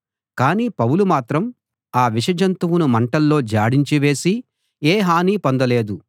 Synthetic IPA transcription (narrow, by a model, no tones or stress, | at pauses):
kaːniːpɐwulumaːt̪ɾɐm | aːʋiʃɐd͡ʒɐnt̪uwunumɐɳʈɐlːo̞ːd͡ʒaːɽiɲt͡ʃiʋe̞ːsi | eːɦaːniːpond̪ɐle̞ːd̪u